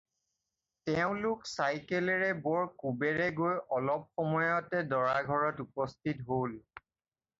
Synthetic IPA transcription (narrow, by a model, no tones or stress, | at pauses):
tɛʊ̃lʊksajkɛlɛɹɛbɔɹkubɛɹɛɡojɔlɔp̚xɔmɔjɔtɛdɔɹaɡʱɔɹɔtupɔstʰitɦol